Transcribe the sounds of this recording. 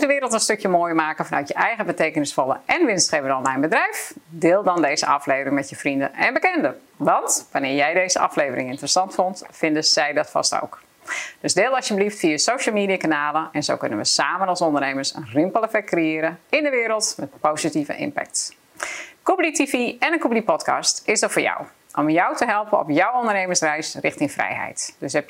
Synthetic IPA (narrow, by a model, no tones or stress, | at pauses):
dəʋɪːɾəlˠtənstøkjəmoːjmaːkəfɑnœ̰ɥtjəʔɛjɣəbəteːkənɪsfɔlˠə̰ʔɛnʋɪnstχevədɔnlajnbədrɛjfdɪːlˠdɔndejzə̰ʔɑfleːvəɾɪŋmɛtjəfrində̰ɛnbəkɛndə | ʋɑntʋanɪːɹjɛjdeːzə̰ʔɑ̰flejvərɪ̰ŋɪntərəsɑntfontfɪndəzɛjdɔtfɑ̰sto̰wk | d̥øsdɪːlˠɑsjəbəliftfiəsowʃəl̩ˠmiːdijakanaːləɛnzo̰ːwkønənʋəsaːmənɑlˠsɔndərneːmərsə̰nrɪmpəlˠɛfɛk̚krejɪːɾəɪndəʋɪːɾəlˠtmɛtpowzitivə̰ʔɪ̰mpɛ̰k̚t | kup̚ditifiɛnənkup̚dipɔtkɑ̰stɪsdɔtfoːɹjɔ̰w | ʔɔmjɔwtəɦɛlˠpənɔ̰pjɔwondərneːmənsrɛjsrɪxtɪŋfrɛ̰jɦɛ̰jtd̥øsɦɛp